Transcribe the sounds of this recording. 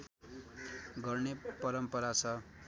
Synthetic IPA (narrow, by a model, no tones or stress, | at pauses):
ɡʌrnepʌɾʌmpʌɾat͡sʰʌ